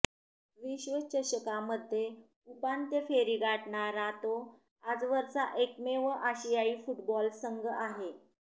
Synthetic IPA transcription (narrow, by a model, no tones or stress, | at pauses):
ʋiɕʋət͡ɕəɕəkaməd̪ʱːje | upant̪jəfeɾiːɡʱaʈɳaɾat̪o | ad͡zʋəɾsaʔekmeʋəʔaɕijaiːfuʈbɔlsəŋɡəaɦe